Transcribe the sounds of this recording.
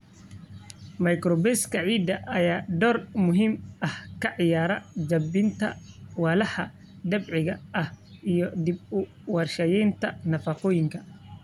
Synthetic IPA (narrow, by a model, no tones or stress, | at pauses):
mɐjkɾɔbɛskʰɐʕiːd̪ːɐʔɐjaːɖ̪ɔːrmʊɦiːmɐhkʰɐʕɪjaːɾɐd͡ʒɐbɪnt̪ʰɐ̰wɑːlɐħɐ | d̪ɐbʕɪɣɐʔɐhʔijɔd̪ɪb̚ʊ | wɑrʃɐjɛnt̪ʰɐnɐfɐqɔːjɪŋkʰɐ̥